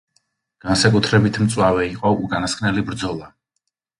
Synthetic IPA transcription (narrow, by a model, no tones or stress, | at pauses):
ɡ̥ansakʼut̪ʰɾɛbit̪ʰmt̪sʼwavɛiqʼɔukʼanaskʰnɛlibɾd̪zɔlˠa